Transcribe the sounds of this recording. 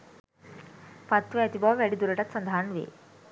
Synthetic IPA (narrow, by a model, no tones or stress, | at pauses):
fat̪ːʋəat̪ibaʋæɽiːd̪uɾəʈat̪sənd̪ʱaːɳʋḛ